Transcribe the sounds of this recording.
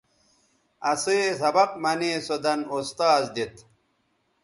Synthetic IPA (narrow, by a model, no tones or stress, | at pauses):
ɐseːsɐbɐqmɐnesod̪ɐnust̪aːzd̪it̪